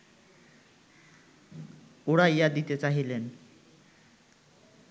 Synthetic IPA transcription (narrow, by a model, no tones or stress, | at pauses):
oɽajjad̪it̪et͡saɦilen